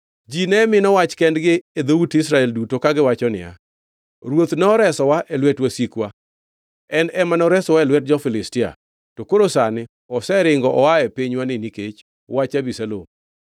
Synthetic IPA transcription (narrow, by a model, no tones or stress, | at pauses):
d͡ʒinɛmɪnɔwat͡ʃkɛndɡɪed̪outɪsɾaɛldutokaɡɪwat͡ʃɔnɪ̰a̰ | ɾwot̪nɛɔɾɛsɔwaʔelwɛtwasikwa | ɛnɛmanɔɾɛsɔwaɛlwɛt̚d͡ʒɔfɪlɪstɪa̰ | tokoɾosanɪ | ɔsɛɾɪŋɡɔʔɔaɛpiɲwanɪniket͡ʃ | wat͡ʃabisalo̰m